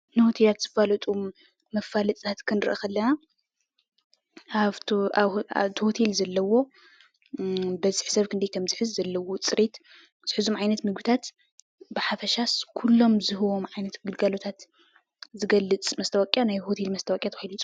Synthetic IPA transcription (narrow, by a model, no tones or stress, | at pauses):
nɨhot̪ʰelat̪z̥ɨfalɐt̪ʼu | mɐfːalɐt͡s̪ʼt̪ʰat̪kʰɨnɾɨʔɐxɐlːɐna | a̰βt̪ʰhot̪ʰe̞lzɐlːɐwo̞ | bɐzɨħsɐβkʰɨnd̪ɐjkʰɐmzɨħɨzːɐlːɐwot͡sʼɨɾet̪ | z̥ɨħɨzumʕajnɐt̪mɨɡɨt̪ʰat̪ | bɨħafɐʃaskʰulːo̞mzɨhɨβo̞mʕajnɐt̪ɡɨlɡalo̞t̪ʰat̪ | zɨɡɐlːɨt͡sʼmɐst̪ʰɐwakʼjanajhot̪ʰelmɐst̪ʰɐwakʼjat̪ʰxajlit͡sʼ